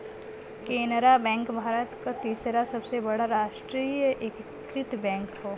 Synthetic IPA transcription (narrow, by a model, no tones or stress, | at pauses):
keːnɾabɛ̃ːŋkbʱaːɾət̪kat̪iːsɾasɐbsebɐɽaɾaːʃʈɾiːjəʔekkɾɪt̪bɛ̃ːŋkɦoː